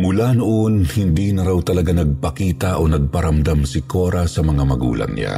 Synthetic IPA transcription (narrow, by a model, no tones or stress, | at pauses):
mʊlanoʔonhɪnd̪inɐɾawt̪ɐlɐɡanɐɡ̚pɐkiːt̪aʔonɐɡ̚pɐɾɐmd̪amsɪkoɾasɐmɐŋamɐɡṵːlɐ̰ŋɲa̰